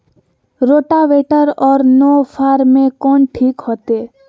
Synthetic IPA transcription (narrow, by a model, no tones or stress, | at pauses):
ɾoːʈaʋeːʈəɾɔːɾnoːpʰaːɾmẽkɔːɳʈʰiːkɦoːt̪eː